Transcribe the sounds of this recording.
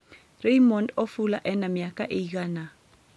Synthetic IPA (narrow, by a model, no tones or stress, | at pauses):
rejmɔndofulaʔɛnamɪjakʼaʔeik̬aːna